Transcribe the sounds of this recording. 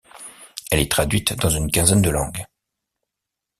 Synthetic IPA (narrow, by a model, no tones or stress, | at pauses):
ɛlɛt̪χad̪ɥit̪d̪ɑ̃zynkʲɛ̃zɛnd̪əlɑ̃ɡ